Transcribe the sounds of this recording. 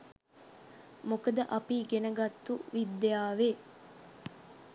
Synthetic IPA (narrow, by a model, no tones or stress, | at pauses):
mokəd̪əʔɐpiːɡenəɡɐt̪ːuʋid̪ːejaːʋe